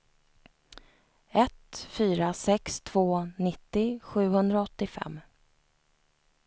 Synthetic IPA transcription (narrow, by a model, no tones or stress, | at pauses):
ɛt̪fyːɾasɛkst̪ʰvoːnɪt̪ːɪɧʉ̟ːhɵnd̪ɾaɔt̪ːɪfɛ̰mː